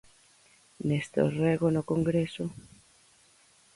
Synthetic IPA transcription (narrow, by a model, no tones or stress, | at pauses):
nest̪o̰reɣonokoŋɡɾeso